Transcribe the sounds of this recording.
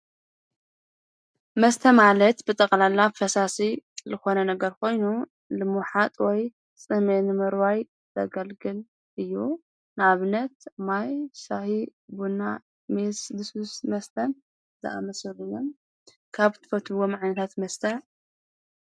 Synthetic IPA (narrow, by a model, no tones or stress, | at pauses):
mɐst̪ʰɐmalɐt̪bɨt̪ʼɐkʼlalːafɐsasizɨxo̞nɐnɐɡɐɾkʰo̞jnu | lɨmuħat̪ʼwɔj | t͡sʼɨmenɨmɨɾwaj | zɐ̰ɡɐlɡɨl | ʔɨjːu | naβɨnɐt̪majsahibuna | mesbɨsusmɐst̪ʰɐn | zɨ̰ʔa̰mɐsɨlɨjːom | kʰaβt̪ʰɨ̥fɐt̪ʰɨwomʕajnɐt̪ʰat̪mɐst̪ʰɐn